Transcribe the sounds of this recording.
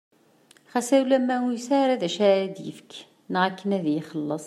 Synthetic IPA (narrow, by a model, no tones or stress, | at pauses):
χæsæwlæmːæwusaɾæðæʃæɾæd̪jə̰fk | nʁækːənæðjiχəlːəsˤ